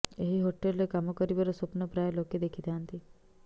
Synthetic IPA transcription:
eɦiɦoʈelːekamɔkəɾiʋəɾəsəpnəpɾajaloked̪ekʰit̪eant̪i

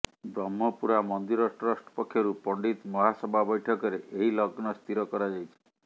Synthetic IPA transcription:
bɾɔmɦɔpuɾamɔnd̪iɾɔsʈɔɾasʈɔ̥pɔkʰːjɔɾupɔɳɖit̪mɔɦasɔbʱabɔjʈʰɔkɔɾeʔeɦilɔɡnɔst̪ʰiɾɔkɔɾad͡ʒajt͡ʃʰi̥

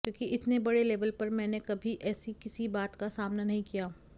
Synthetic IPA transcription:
kjõːkiʔɪt̪nebɐɽeleːʋəlpɐɾmɛ̃ːnekɐbʱiʔɛːsikɪsibaːt̪kasaːmnanɐɦĩkijaː

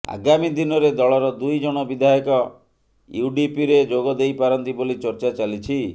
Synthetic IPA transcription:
a̰ɡamid̪inɔɾed̪ɔɭɔɾɔd̪ujd͡ʒɔɽ̃ɔbid̪ʱajɔkɔ | juɖipiɾed͡ʒoɡɔd̪ejpaɾɔnt̪ibolit͡ʃɔɾt͡ʃat͡ʃalit͡ʃʰi

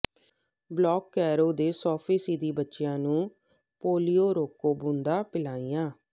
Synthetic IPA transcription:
blɔːkːɛːɾoːd̪eːsɔːpʰiːsiːd̪iːbətːʃɪjãːnũː | poːlijoːɾoːkoːbũːnd̪aːpɪlaːijãː

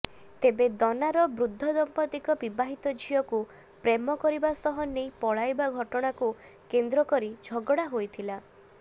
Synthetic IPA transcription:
t̪ebed̪ɔnaɾɔbɾud̪ʱːɔd̪ɔmpɔt̪ikɔbibaɦit̪ɔd͡ʒʱijɔku | pɾemɔkɔɾibast̪ɔɦɔnːejpɔɭajbaɡʱɔʈɔɽ̃akukend̪ɾɔkɔɾid͡ʒʱɔɡɔɽaɦojt̪ʰila

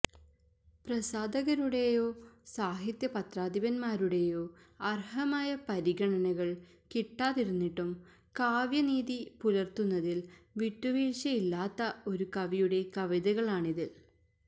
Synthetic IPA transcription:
prɐsaːd̪ɐɣɐɾuɽe̞jo̞ːsaːɦit̪jɐpɐt̪raːd̪iʋɐnmaːɾuɽe̞jo̞ː | ɐrhɐmaːjɐpɐɾiɡɐɳɐnɐɣɐɭ | kiʈːaːðiɾunːiʈːum | kaːʋjɐniːðipulɐrt̪unːɐðilʋitːuʋiːʂɐilːaːt̪ːɐo̞ɾukɐʋijuɽe̞kɐʋiðɐɣɐɭaːɳiðil

